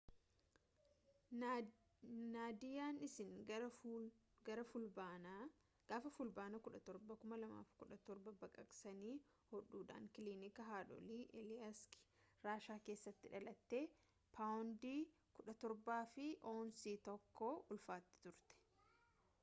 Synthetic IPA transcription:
naːd̪ɪjaːnɪsɪŋ | ɡɐɾɐfʊlba | ɡ̥aːfɐfʊlbaːnɐkʊᶑɐt̪ɔɾbɐkʊmɐlɐma̰ːfkʊᶑɐt̪ɔɾbɐbɐkʼɐkʼsɐniː | hɔᶑuːᶑa̰ːŋkɪliːnɪkɐɦaːᶑɔ̰liːʔɛlɪɐskɾaːʃaːke̞ːsːɐt̪ːɪᶑɐlɐt̪ːe̞ː | pʰaːwʊnd̪iː | kʊᶑɐt̪ɔɾbaːfɪʔoːnsiːt̪ɔkːɔʔʊlfaːt̪ːɪ̥t̪ʊɾt̪ɛ̥

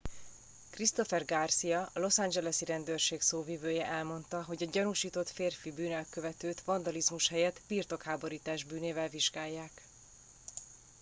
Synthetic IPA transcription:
krist̪o̞fɛrɡarsijɒɒlo̞sand͡ʒɛlɛsiɾɛnd̪ørʃeːksoːvivøːjɛʔɛlmo̞nt̪ɒɦo̞ɟɒɟɒnuʃiːt̪o̞t̪feːrfibyːnɛlkøvɛt̪øːt̪ʋɒnd̪ɒlizmuʃhɛjɛt̪birt̪o̞khaːbo̞ɾiːt̪aːʒbyːneːvɛlviʒɡaːjːaːk

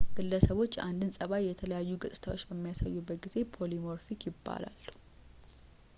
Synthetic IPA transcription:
ɡ̥ɨlːəsəβo̞t͡ʃːand̪ɨnsʼəβajjɛt̪ʰələjajːuɡɨsʼt̪ʰawot͡ʃːbəmːijasa̰jːubːət̪̚ɡize̞pʰo̞limo̞ɾfikjɪbːa̰la̰lːu̥

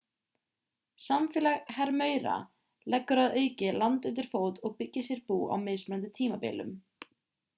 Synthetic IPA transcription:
samfɛːlaɣhɛɾmœːɥɾa̰ | lɛkːʏɾaðœːɥcɪlant̪ʏnt̪̬ɪɾ̥foːwt̪ɔɣpɪcːɪsjɛɾpuːʔa̰wmejsmɛɾnant̪ɪt̪ʰiːmapɪ̰ːlʏ̰m

